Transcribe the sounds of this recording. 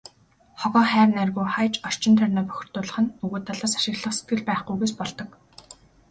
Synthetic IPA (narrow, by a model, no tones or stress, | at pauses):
χɔɣɔːχæːrnærɣuːχajt͡ɕɔr̥t͡ɕɪ̆nt̪ʰœrʲnɔːpœ̥xʲɪ̆r̥t̪ʊːɮə̆χə̆nɵɣɵːt̪ʰːaɮaːsḁʃɪ̆ɣɮə̆χse̥t̪̚ɡɘ̆ɮpæːχɡujɣeːspɔɮt̪ɞ̆k